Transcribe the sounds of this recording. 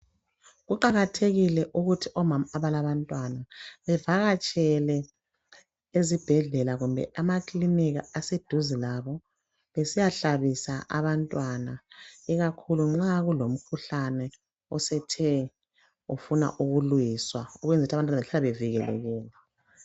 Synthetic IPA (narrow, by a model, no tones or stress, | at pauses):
ɣuǃaɣatʰeɣilɛʔuɣutʰiʔɔmamaːβalaβantʼwanaβɛvaɣat͡ʃʼɛlɛ | ezib̥ʱɛɮɛlaɣumbʱɛ̰ʔamakʼliniɣaased̥ʱuzilaβɔ | βesijaɬaβisaʔa̰βantʼwanaɛɣakʰuluŋ͡ǁaɣulom̩kʰuɬanɛ | ɔsɛtʰɛ | ufuna̰ʔuɣulujiswaɔɣwend͡zʱitʰaβantʼanaɛɬalaβeviɣɛlɛ̰ɣɛːlɛ